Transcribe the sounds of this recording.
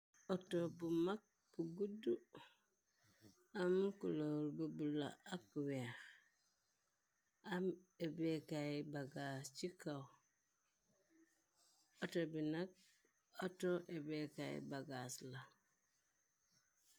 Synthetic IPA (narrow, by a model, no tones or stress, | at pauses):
otobumak̚ | b̥uɡudu | amkulolbubula̰akwex | amebekajbaɡast͡ʃikaw | otobinak̚ | otoʔebekajḭbaɡasla